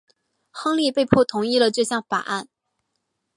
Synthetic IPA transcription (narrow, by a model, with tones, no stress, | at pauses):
xɑ˥ŋli˥˧pe˥˧ɪpʰwɔ˥˩t̪ʰʊ˧˥ŋi˥˩lə˨ʈ͡ʂɤ˥˧ɕjɑ˥˩ŋfa̰˨˩ʔa˥˩n